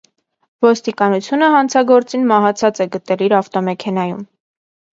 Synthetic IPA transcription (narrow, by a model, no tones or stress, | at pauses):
vɔst̪ikɑnut͡sʰjunəɦɑnt͡sʰɑɡɔɾt͡sinmɑɦɑt͡sʰɑt͡sɛɡət̪ɛliɾɑft̪ɔmɛkʰɛn̪ɑjṵm